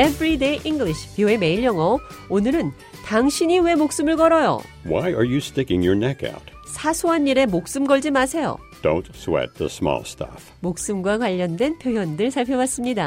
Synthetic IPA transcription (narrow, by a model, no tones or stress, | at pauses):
evɾide̞ʔiŋɡɭiɕʰi̥pioeme̞iɭjʌŋʌonɯɾɯn | taŋɕʰiɲiwe̞mok̚s͈ɯmɯɭkʌɾʌjo̰ | waɪə˞jɨstɪkɪ̃ŋjə˞nɛka̰ʊt̚ | sʰasʰoɦanːiɾe̞mok̚s͈ɯmɡʌɭd͡ʑimasʰe̞jo̰ | d̥õʊ̃ntswɛ̰t̪̚ðə̰smɔ̰lˠstʌ̰f | mok̚s͈ɯmɡwakwaʎːʌndwe̞npʰjoɦjʌndɯɭsʰaɭpʰjʌbas͈ɯmɲida